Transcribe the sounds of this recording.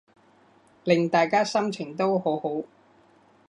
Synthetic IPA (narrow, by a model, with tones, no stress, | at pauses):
lɪ˨ŋt̪aː˨jkaː˥sɐ˥mt͡ʃʰɪ˨˩ŋt̪o˥who˨˥who˨˥w